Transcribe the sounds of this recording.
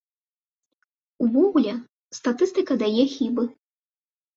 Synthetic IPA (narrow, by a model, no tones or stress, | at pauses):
uvɔɣulʲɛ | st̪at̪ɨst̪ɨkɐd̪ajɛxʲibɨ